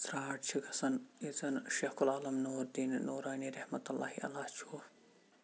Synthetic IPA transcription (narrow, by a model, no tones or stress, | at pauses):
sɾaːʈt͡ʃʰikʰɐsɐnizɐnʃeːxkulaːlɐmnuːɾd̪iːnnoːɾaːniːɾɐhmɐt̪ɐlːa̰ːhiʔɐ̰laːt͡ʃʰuː